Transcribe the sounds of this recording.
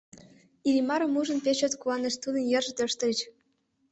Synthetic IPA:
ilʲimɑɾɤ̆muʒɤ̆npʲet͡ɕøt̪kuɑnĕʃt̪ud̪ə̆njɤ̆rʒɤ̆t̪øʃt̪ɤ̆lʲɘt͡ɕ

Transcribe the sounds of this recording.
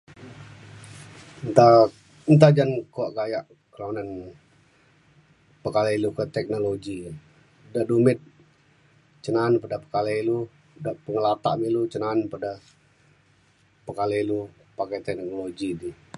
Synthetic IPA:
nt̪a | nt̪ad͡ʒankoaʔɡajaʔ | kəlaunan | pəkalailukət̪ɛk̚noloɡi | daʔdumɪt̪̚ | t͡ʃənanpadapəkalailu | daʔpəŋəlat̪a̰ʔmilut͡ʃənanpada | pəkalɛilu | pakat̪ɛknoloɡidi

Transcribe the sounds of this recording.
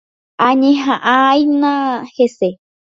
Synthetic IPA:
aɲẽɦãʔajnãhese

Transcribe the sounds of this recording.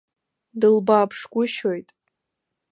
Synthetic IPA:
dɨlbaːpʰʂɡʷʼʊʃo̞jtʼ

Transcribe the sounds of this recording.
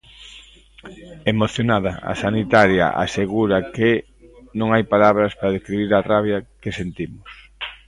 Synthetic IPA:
emoθjonaðɐa̰sanit̪aɾja̰ʔa̰seɣuɾɐke | nõŋajpalaβɾɐspaɾaðeskɾiβiɾaraβjakesent̪imʊs

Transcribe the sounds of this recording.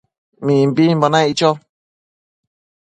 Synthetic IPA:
mĩmbimbonãit͡ʃo

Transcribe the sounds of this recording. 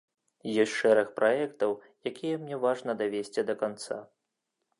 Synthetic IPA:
jɔsʲtʲʂɛɾɐxpɾaɛkt̪ɐw | jakʲijɛmnʲɛvaʐnɐd̪avʲesʲt͡sʲid̪ɐkant̪sa̰

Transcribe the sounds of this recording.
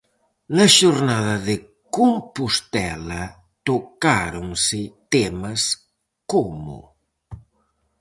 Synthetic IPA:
nɐʃoɾnaðɐðe | kompust̪ɛlɐ | t̪okaɾoŋsɪt̪emɐs | komṵ

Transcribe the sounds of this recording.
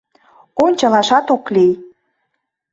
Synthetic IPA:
onʲt͡ɕəlɑʃɑt̪oklij

